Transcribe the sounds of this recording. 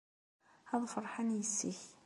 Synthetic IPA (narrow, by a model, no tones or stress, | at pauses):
ɑðˤfəɾˤħanjəsːiç